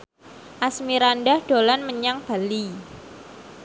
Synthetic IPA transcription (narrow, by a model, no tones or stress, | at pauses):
ʔasmiɾanɖahɖ̥o̤lanməɲaŋb̥a̤li